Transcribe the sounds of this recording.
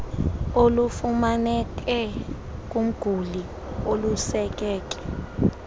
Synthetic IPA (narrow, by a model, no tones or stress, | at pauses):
olufumanɛkʼɛ | k̬ʼum̩ɡ̥ʱuli | olusɛk̬ɛːk̬ʼɛ̥